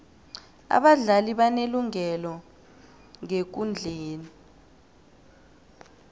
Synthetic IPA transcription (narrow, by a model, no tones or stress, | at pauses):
a̰ɓaɮaliɓaneluŋɛlɔ | ŋek̬und͡ɮʱeːni